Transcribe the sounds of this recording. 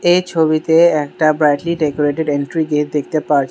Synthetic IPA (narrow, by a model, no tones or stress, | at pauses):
ejt͡ɕʰobit̪eɛk̚ʈabɾajʈliɖekoɾeʈeɖeɳʈɾiɡetd̪ek̚ʰt̪epaɾt͡ɕʰ